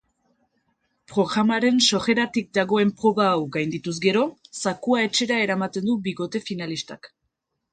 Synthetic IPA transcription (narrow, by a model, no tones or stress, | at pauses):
pɾo̞ɣɾamaɾe̞nso̞re̞ɾat̪ik̚d̪aɣo̞e̞mpɾo̞βaːwɡajnd̪it̪uz̬ɡe̞ɾo̞sakuae̞t͡ʃe̞ɾae̞ɾamat̪e̞nd̪ubiɣo̞t̪e̞finalist̪a̰k